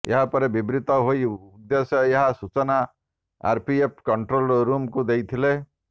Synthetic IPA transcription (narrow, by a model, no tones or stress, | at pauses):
ḛɦapɔɾebibɾit̪ɔɦoiud̪esjɔeɦasut͡ʃɔna | a̰ɾpʰiep̚ʰkɔɳʈɾolɾumkud̪ejt̪ʰile